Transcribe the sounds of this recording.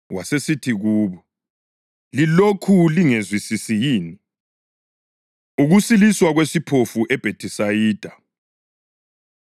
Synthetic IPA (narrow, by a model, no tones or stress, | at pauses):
wasesitʰiɣuːβɔ | lilokʰuliŋezwisisijiːni | uɣusiliswaɣwesipʰofuʔɛb̥ʱetʰʼisajiːd̥ʱa